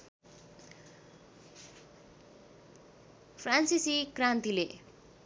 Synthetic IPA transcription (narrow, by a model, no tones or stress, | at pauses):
pʰransisikrant̪ile